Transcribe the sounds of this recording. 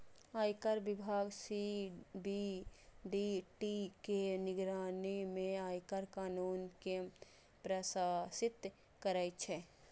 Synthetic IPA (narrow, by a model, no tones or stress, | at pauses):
aːjkəɾbɪbʱaːɡsiɖiɖiʈikenɪɡɾaːnimẽaːjkəɾkaːnuːnke | pɾəsaːsɪt̪ | kəɾaːjt͡ʃʰɛ